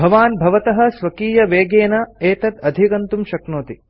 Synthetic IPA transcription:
bʱɐʋaːnbʱɐʋɐt̪ɐɦɐ̆sʋɐkiːjɐʋeːɡeːnɐeːt̪ɐt̪ɐd̪ʱikɐnt̪umʃɐknoːt̪i

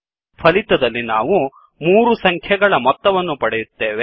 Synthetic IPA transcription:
pʰɐlit̪ɐd̪ɐlːinaːʋu | muːɾusɐŋkʰjɛɡɐɭɐmɔt̪ːɐʋɐnːupɐɽɛjut̪ːe̞ːʋe

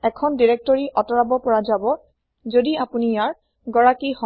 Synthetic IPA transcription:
ɛkʰɔndiɹɛk̚tɔɹiʔɔtɔɹabɔpɔɹazabɔ | zodiapunijaɹ | ɡɔɹakihɔ

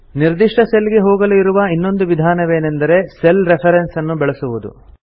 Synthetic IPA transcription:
niɾd̪iʂʈɐseliɡe̞ɦoːɡɐluiɾuʋɐinːo̞nd̪uʋid̪ʱaːnɐʋe̞ːnend̪ɐɾe̞selɾepʰɐɾensɐnːubɛɭesuʋud̪ṵ

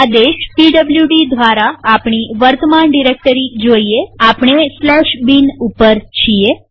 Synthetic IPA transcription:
ad̪eʃpiɖəbljuɖid̪ʱʋaɾaːpɳ̃iʋəɾt̪əmaɳɖiɾek̚ʈəɾid͡ʒoieapɳ̃eslɛʃbinupːəɾt͡ʃʰie

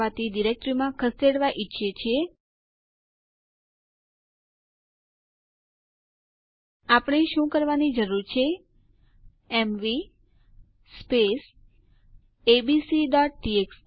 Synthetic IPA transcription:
at̪iɖiɾek̚ʈɾimãkʰəseɽʋaʔitːʃʰet͡ʃʰe | apəɳeʃũkəɾʋanid͡ʒəɾuɾt͡ʃʰe | emʋi | spes | ebisiɖɔʈ̚ʈieks

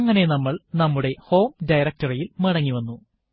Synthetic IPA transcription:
ŋːɐne̞nɐmːɐɭnɐmːuɽe̞ho̞ːmɖɐjɾɐk̚ʈɐrɐjilmɐɽɐŋːiʋɐnːu

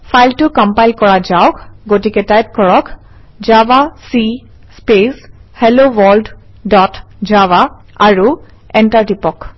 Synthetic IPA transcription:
fʰajltʊkɔmpajlkɔɹazaʊkɡotikɛtajp̚kɔɹɔk | d͡ʒabasi | speshɛlowɔld | dɔtd͡ʒawa | aɹu | ɛntaɹdipɔk

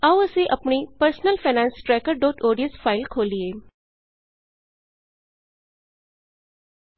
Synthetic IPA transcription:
awəsẽʔɐpɳipəɾsnəlfanãːnsʈɾɛkəɾɖoːʈoːɽijə̃nsfaːɪlkʰoːlie

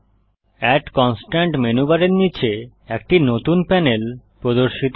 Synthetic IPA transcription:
ɛʈkɔnsʈaɳʈmenubaɾeɾnit͡ɕʰe | ekʈinot̪unpɛnelpɾod̪oɾʃit̪

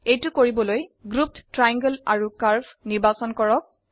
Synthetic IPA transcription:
ejtʊkoɹibɔlojɡɹup̚ttɹajãŋɡəlaɹukaɹpʰniɹbasɔnkɔɹɔk̚

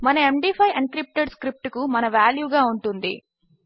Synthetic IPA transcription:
mɐnɐemɖiːpʰɐjɐɳɖ̚kɾip̚ʈeɖskɾip̚ʈukumɐnɐʋaːljuːɡaːuɳʈund̪ḭ

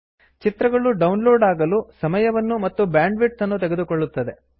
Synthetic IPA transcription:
t͡ʃit̪ɾɐɡɐɭuɖɐwnloːɖaːɡɐlusɐmɐjɐʋɐnːumɐt̪ːubaːɳɖʋiʈsɐnːut̪ɛɡe̞d̪ukɔɭːut̪ːɐd̪e̞

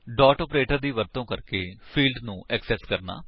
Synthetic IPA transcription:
ɖɔːʈɔːpɾeːʈəɾd̪iːʋəɾt̪õːkəɾkeːpʰiːlɖnũːɛːksɛːskəɾna̰ː

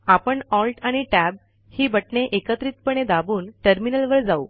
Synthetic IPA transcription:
apəɳɔlʈaɽ̃iʈæb̚ | hiːbəʈɳeʔekət̪ɾiːt̪̚pəɳ̃ed̪abuːnʈəɾminəlʋəɾd͡zau

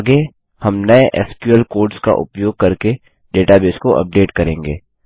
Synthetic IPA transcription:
ɡe | hɐmnɐeʔɛ̰ːskjuəlkoːɾɖska̰ʔʊ̰pjoːɡ̚kɐɾke | ɖeːʈabeːskoʔɐ̰p̚ɖeːʈkɐɾẽːŋɡḛː

